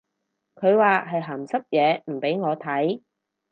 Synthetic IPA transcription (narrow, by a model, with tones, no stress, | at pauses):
kʰɵ˨˧ɥwaː˨˧ɦɐ˨jɦaː˨˩msɐ˥p̚jɛː˨˧m̩˨˩pe˨˥jŋɔː˨˧t̪ʰɐ˨˥j